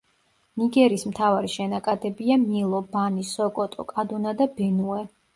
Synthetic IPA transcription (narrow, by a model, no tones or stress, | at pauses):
niɡɛɾismt̪ʰavaɾiʃɛnakʼad̪ɛbiamilˠɔbanisɔkʼɔt̪ʼɔ̰kʼad̪unad̪abɛnuɛ